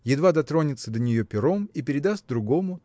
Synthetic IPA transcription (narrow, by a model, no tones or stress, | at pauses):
jɪd̪vad̪ɐt̪ɾo̞nʲɪt̪səd̪ənʲɪjo̞pʲɪɾo̞mipʲɪɾʲɪd̪ast̪̚d̪ɾʊɡo̞mʊ